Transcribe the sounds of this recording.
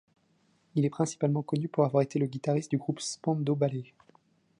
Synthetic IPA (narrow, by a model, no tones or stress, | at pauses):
ilɛpχɛ̃si̥palmɑ̃kɔnypuʁavwaʁet̪eləɡʲit̪aʁist̪̚d̪yɡʁupspɑ̃d̪obale